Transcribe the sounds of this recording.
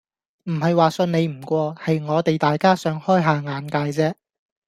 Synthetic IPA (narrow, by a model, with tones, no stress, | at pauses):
m̩˨˩hɐ˨jwaː˨sɵ˧nne˨˧jm̩˨˩kʷɔː˧hɐ˨jŋɔː˨˧t̪e˨jt̪aː˨jkaː˥sœː˨˧˥ŋhɔː˥jɦaː˨ŋaː˨˥nkaː˧jt͡sɛː˥